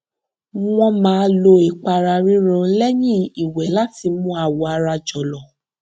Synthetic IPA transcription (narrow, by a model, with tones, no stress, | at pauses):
w̃ɔ̃˧mãː˨˦lo˧i˨k͡pa˨˧ɾa˧ɾi˦ɾɔ̃˦˧˦lɛ˦jĩ˦˨i˨wɛ˨˦la˦ti˧mũ˧˦a˨wɔ˨a˧ɾa˧d͡ʒɔ˨lɔ˨